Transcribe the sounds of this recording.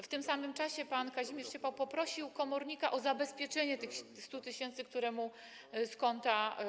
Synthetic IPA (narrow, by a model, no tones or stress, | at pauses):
ft̪ɘmsamɘmt͡ʂaɕɛpankaʑimʲjɛɾt͡ɕɛpawpɔpɾɔɕiwkɔmɔɾɲikaʔɔzabɛspʲjɛt͡ʂɛɲɛt̪ɘxst̪ut̪ɘɕɛnt̪sɘk̚t̪uɾɛmu | skɔnt̪a